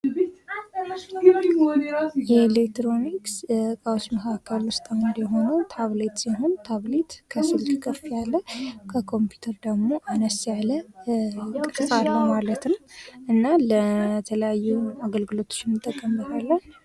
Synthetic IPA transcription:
jɛlek̚t̪ɾo̞nikskʼawsməkʰakʰːəlwʊst̪ʼawnd̪jɛɦo̞nəwt̪ʰaβlet̪ʼsiɦo̞nt̪ʰaβlet̪ʼkʰəsɨlkkʰʼəfjalːəkʰəkʰo̞mpʰju̥t̪ʰəɾd̪əɡmo̞ʔanəsjalə | kʼɨt̪ʼsaɾhəwmalət̪nəʔɨnːalət̪ʰələjajːuaɡəlɡɨlo̞t̪ʰo̥t͡ʃːɪnːɨt̪ʼːəkʼːəmbət̪ʰalːən

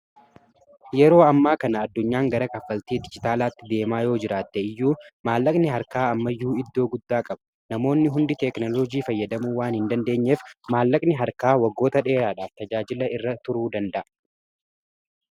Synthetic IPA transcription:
jɛɾo̞ːɐmːaːkɐnɐɐd̪ːʊɲːaːŋɡɐɾɐkʼɐfːɐlt̪iːd̪ɪd͡ʒɪt̪aːlaːt̪ːɪd̪e̞ːmaːjo̞ːd͡ʒɪɾaːt̪ːɛɪjːuːmaːlːɐkʼnɪɦɐɾkaːɐmːɐjːuːɪd̪ːo̞ːɡʊd̪ːaːkʼɐbɐ | nɐmo̞ːnːɪɦʊnd̪ɪt̪ɛknɔlɔd͡ʒiːfɐjːɐd̪ɐmuːwaːnhɪnd̪ɐnd̪e̞ːɲːeːfmaːlːɐkʼnɪɦɐɾkaːwɐɡːo̞ːt̪ɐᶑe̞ːɾaːᶑaːft̪ɐd͡ʒaːd͡ʒɪlɐɪrːɐt̪ʊɾuːd̪ɐnd̪ɐʔɐ

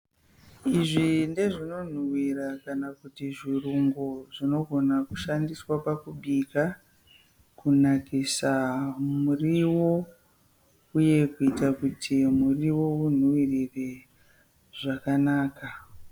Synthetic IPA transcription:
iʐinde̞ʐino̞n̤uwiɾakanakutiʐiruŋɡoʐ̥ino̞ɡʱo̞nakuʃandiswapakuɓika | kunakisamuriwo̞ | uje̞kuitakutʰimuriwo̞un̤uwirire | ʐ̥akanaːka

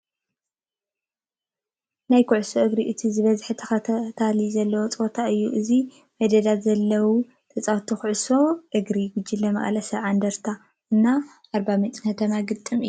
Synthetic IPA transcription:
najkʰuʕsoʔɨɡɾiʔɨt̪ʰizɨβɐzħɨt̪ʰɐxɐt̪ʰalizɐlːɐwot͡sʼot̪ʰaɨjːuʔɨzi | mɐd̪ɐd̪at̪zɐlːɐwu | t̪ʰɐt͡sʼawt̪ʰuxuʕso̞ʔɨɡɾiɡʊd͡ʒːilːɐmɐ̰χʼɐlɐsɐβʕand̪ɐɾt̪ʰa | ʔɨnːa | ʔaɾbamɛt̪ʼkʰɐt̪ʰɐmaɡɨt̪ʼːɨmɨjːuː

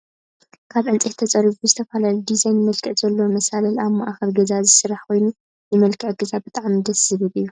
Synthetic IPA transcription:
kʰaβʕɨnt͡sʼit̪ʰɐt͡sʼɐɾiβuzɨt̪ʰɐfalalid̪izajnmɐlkʰɨʕz̥ɐlːowmɐsalɐlaβmaʔxɐɾɡɐzazɨsɨɾaħkʰo̞jnu | nɨmɐlkʰɨʕɡ̥ɨzabɨt̪ʼaʕmid̪ɐsɨβɨβɨjːu

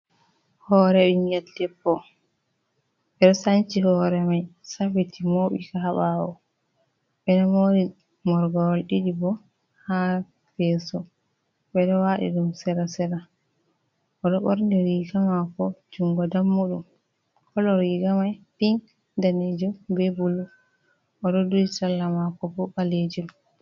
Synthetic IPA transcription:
hɔɾɛɓimiatdɛpːɔ | ɓɛɗɔsant͡ʃihɔɾɛmajsafitimoɓḭkaaɓawɔ̰ | ɓɛnamoɾi | mɔɾɡɔɾɔlɗiɗibɔ | ha | fɛsɔ | ɓɛɗɔwaɗḭɗumsɛɾasɛɾa | ʔɔɗɔɓɔ̰ɾndɛɾiːɡamakɔd͡ʒuŋɡɔdamːuɗṵm | kɔlɔɾiːɡamajpin | daned͡ʒubɛbulu | ʔɔɗɔduisalːamakɔbɔbaled͡ʒum

